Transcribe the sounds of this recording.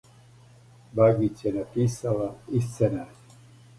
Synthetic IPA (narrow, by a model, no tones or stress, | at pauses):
baɡit͡ʃjenapiːsalaist̪sena